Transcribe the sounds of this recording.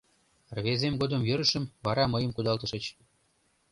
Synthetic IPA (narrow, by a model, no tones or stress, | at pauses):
rβezemɡod̪əmjø̆ɾə̆ʃə̆mβɑɾɑməjəmkud̪ɑlt̪ə̆ʃə̆t͡ɕ